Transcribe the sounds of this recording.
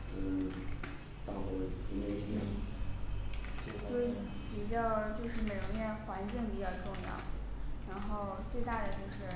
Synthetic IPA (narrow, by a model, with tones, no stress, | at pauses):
t̪ɑ˥˩xɔ˧˩i˧˥nɛ˥˩i˥˩t͡ɕjɛ˥˩˥ | t͡ɕjo˥˩ʊ | pi˨˩t͡ɕjɑ˥˧ʊt͡ɕjo˥˧ʊʂɻ̩˥˩me˨˩ɪɻʊ˧˥ŋnjɛ˥˩xwa˧˥nt͡ɕi˥˩ŋpi˨˩t͡ɕjɑ˥˧ʊʈ͡ʂʊ˥˧ŋjɑ̰˥˩ʊɻa˧˥nxo˥˩˧ʊt͡swe˥˧ɪt̪a˥˩d̪ə˩t͡ɕjo˥˧ʊʂɻ̩˥˩